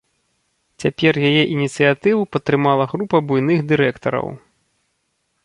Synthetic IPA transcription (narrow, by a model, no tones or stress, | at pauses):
t͡sʲapʲɛrjajɛʔinʲit̪sɨjat̪ɨvupɐt̪ːɾɨmalˠɐɣɾupɐbujn̪ɨɣd̪ɨɾɛkt̪ɐɾɐ̰w